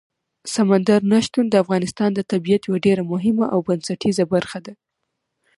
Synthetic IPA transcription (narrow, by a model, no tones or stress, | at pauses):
samand̪aɾnaʃt̪und̪əafɣɑnɪst̪ɑnd̪ət̪abijat̪jawaɖeɾamʊɦɪmaʔawbansaʈʰizabaɾxad̪a